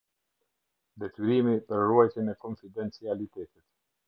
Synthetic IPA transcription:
d̪ɛt̪yɾimipəɾruajt̪ɛnɛkɔnfid̪ɛnt͡sialit̪ɛt̪it̪

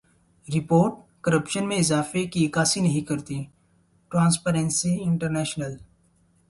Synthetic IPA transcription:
ɾɪpoːɾʈ̚kɐɾəpʃənmẽɪzaːfekikaːsinɐɦĩkɐɾt̪i | ʈɾãːnspeɾẽnsiɪ̃ɳʈəɾnɛːʃnəl

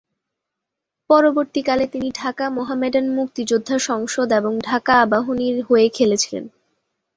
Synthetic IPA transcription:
pɔɾoboɾt̪ikalet̪iniɖʱakamoɦameɖanmuk̚t̪id͡ʑod̪ʱːaʃɔŋʃod̪eboŋɖʱakaabaɦoniɾɦoekʰelet͡ɕʰilḛn

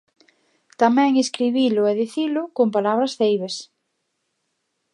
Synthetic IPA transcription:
t̪amɛ̃ŋeskɾiβilʊɛðiθilʊkompalaβɾɐsθejβes

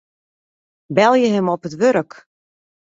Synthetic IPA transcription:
bɛlˠjəɦəmɔpətʋøɾək

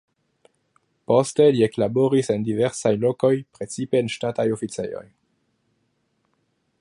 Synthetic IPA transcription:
po̞ste̞lie̞klabo̞ɾise̞ndive̞ɾsajlo̞ko̞jpɾe̞t͡sipe̞ːnʃtatajo̞fit͡se̞̰jo̞̰j

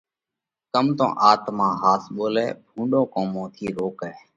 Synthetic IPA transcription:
kəmt̪õ̰ːʔaːt̪mãːɦaːsɓoːlɛ̰ːbʱũːɳɖõːkoːmõːt̪ʰiːɾoːkɛː

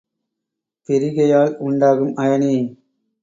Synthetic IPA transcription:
t̪ɪɾɪɣɐjaːlʊɳɖaːɣɯmʔɐjɐniː

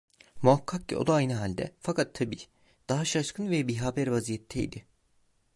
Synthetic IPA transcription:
muɦakʰːak̚cʰḭo̞̰d̪aajnɯɦalʲd̪ɛ̰fakʰat̪ʰːabiː | d̪̥aɦaʃaʃkʰɯnvɛbiɦabæɾvazijɛt̪ʰːɛj̰d̪ɪ

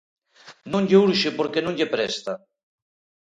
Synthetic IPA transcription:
nõŋʎeuɾʃɪpoɾkenõŋʎepɾɛst̪a

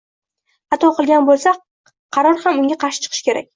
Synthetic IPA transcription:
ɑt̪ʰɒqɨlˠɡʲanbolˠsa | qʰɑɾɒɾhamʊŋɡʲaqʰɑɾʃɪ̥t͡ʃʰɨ̥qʰɨ̥ʃkʲʰe̞ɾa̰kʲ

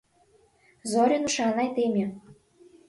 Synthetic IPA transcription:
zoɾʲenuʃɑnɑjt̪emʲĕ

